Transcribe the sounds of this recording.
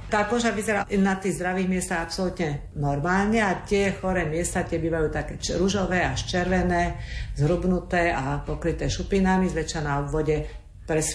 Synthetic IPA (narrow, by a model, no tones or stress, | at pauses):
t̪aːkɔʒaʋizɛɾaːnat̪iːɣzd̪ɾaʋiːɣmɪɛst̪aɣapsɔlut̪ɲɛnɔɾmaːlɲɛat̪ɪɛxɔɾɛːmɪɛst̪aːt̪ɪɛbiːʋajuːt̪akɛːɾuʒɔʋɛːaʃt͡ʃɛɾʋɛnɛːzɦɾubnut̪ɛːapɔkɾit̪ɛːʃupinamizʋɛt͡ʃanaɔbʋɔɟɛ | pɾɛs